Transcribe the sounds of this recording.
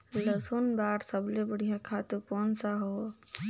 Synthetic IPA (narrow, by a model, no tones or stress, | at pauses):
ləsunbaːɽsəblebəɽ̤ijãkʰat̪ukoːnsaɦo